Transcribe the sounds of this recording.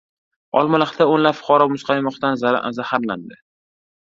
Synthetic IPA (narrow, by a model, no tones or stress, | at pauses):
ɒlˠmʊlˠɪχd̪aonlapfʊ̥qʰɒɾɒpmʊsqʰɑjmɒqt̪anzazahaɾland̪ɪ